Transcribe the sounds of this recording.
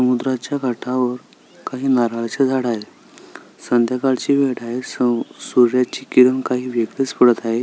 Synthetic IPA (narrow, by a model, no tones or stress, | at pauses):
səmud̪ɾat͡ɕjaɡʱaʈʰaʋəɾ | kaɦiːnaɾaɭt͡ɕed͡zʱaɽaje | sənd̪jəkaɭt͡ɕiːʋeɽajessuɾjat͡ɕiːkiɾəŋkaɦiːʋjeɡlespəɽət̪aɦe